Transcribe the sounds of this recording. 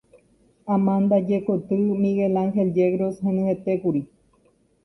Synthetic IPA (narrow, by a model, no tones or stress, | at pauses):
ãmãnd̪ad͡ʒekot̪ɨmĩɣelaŋxeld͡ʒeɣɾoshẽnẽet̪ekuɾi